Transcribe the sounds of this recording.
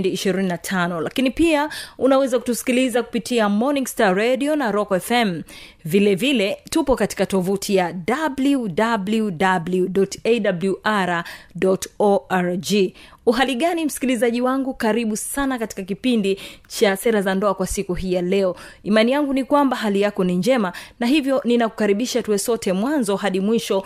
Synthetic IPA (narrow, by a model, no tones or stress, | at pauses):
ndiːʃiɾininatʰanɔlakinipiaunawɛzaku̥tusi̥kilizaku̥pitiamɔniŋstaɾɛɗiɔnaɾɔkɛfɛm | vilɛvilɛtupɔkati̥katɔvutʰijadabludabludabluɗɔteɗabluʔaɾaɗɔtɔaɾd͡ʒi | uɦaliɠanim̩si̥kilizaʄiwaŋɡukaɾiɓusanakati̥kakipindit͡ʃasɛɾazandɔakwasikuɦijalɛɔimanijaŋɡunikwambaɦalijakɔniɲd͡ʒɛmanaɦivjɔninaku̥kaɾiɓiʃatuɛsɔtɛmwanzɔɦaɗimwiʃɔ